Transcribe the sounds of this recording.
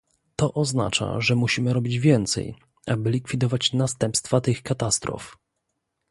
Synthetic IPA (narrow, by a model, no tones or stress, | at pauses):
t̪ɔʔɔzna̰t͡ʂa̰ʐɛmuɕimɘɾɔbʲid͡ʑvʲjɛnt̪sɛ̰j | abɘlʲikfʲid̪ɔvat͡ɕnast̪ɛmpst̪fat̪ɘxkat̪ast̪ɾɔ̰f